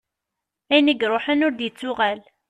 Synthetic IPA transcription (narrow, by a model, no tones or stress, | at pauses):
æjnəɡɾˤoħənʊɾd̪jət͡sːʊʁæl